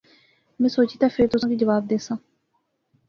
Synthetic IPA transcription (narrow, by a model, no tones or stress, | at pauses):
mɛ̃ːsoːt͡ʃiːt̪aːfʰɪɾt̪ʊsãːkiːd͡ʒəʋaːb̚d̪eːsãː